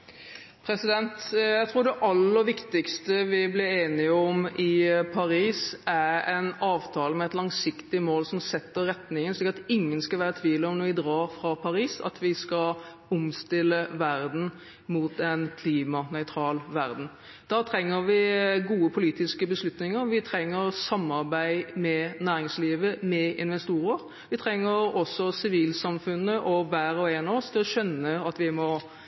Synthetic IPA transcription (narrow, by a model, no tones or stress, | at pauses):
pʰɾɛsɪd̪ɛnt̪jæɪt̪ʰɾuːɾɖ̪ɛʔɑlːəʋɪkt̪ɪkst̪əʋɪblɪɾeːnɪəɔmɪpʰɑɾiːsæɾɛnɑːʋt̪ʰɑːləmɛɛt̪lɑŋsɪkt̪ɪmoːlsɔmsɛt̪ːəɾːɛt̪nɪŋənʂliːkəɾɑt̪ɪŋːənskɑʋæːɾət̪ʰʋiːləɔmnɔʋɪd̪ɾɑːɾfɾɑpʰɑɾiːsɑ̰t̪ʰʋɪskɑ | ɔmst̪ɪlːəʋæɾd̪n̩ | mut̪ɛnkʰliːmɑnœʏt̪ʰɾɑːlʋæɾd̪n̩ | d̪̥ɑːt̪ʰɾɛŋːəɾʋɪɡuːəpʰʊliːt̪ɪskəbəslʉt̪nɪŋəʋɪt̪ʰɾɛŋːəɾsɑmːɑɾbæɪmɛnæːɾɪŋsliːʋəmɛɪ̰nʋɛst̪uːɾəɾ | ʋɪt̪ʰɾɛŋːəɾɔsːɔsɪʋiːlsɑmfʉnːəʔɔʋæːɾɔeːnɑɔst̪ʰɪlɔɕœnːəɑt̪ʋɪmɔ